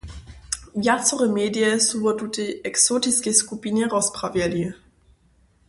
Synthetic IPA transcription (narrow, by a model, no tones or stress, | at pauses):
vjat͡sɔʁɛmeːdiɛsubɔtuteɛksotiskeskupinɛʁɔspravjɛli